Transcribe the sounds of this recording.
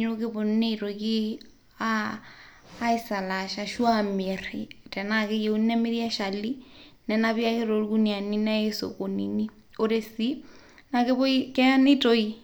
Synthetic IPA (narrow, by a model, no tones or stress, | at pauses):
ɲokeβonnetoki | aː | isalaʃaʃwameɾtɛnakejeunɛmeɾjaʃalinɛnaβiakeɾoɾkunianinɛeso̰konḭni | oɾesi | nakeβoikɛanitoi